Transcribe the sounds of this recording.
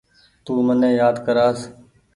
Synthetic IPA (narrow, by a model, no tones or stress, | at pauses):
t̪uːmənẽːjaːd̪kəɾaːs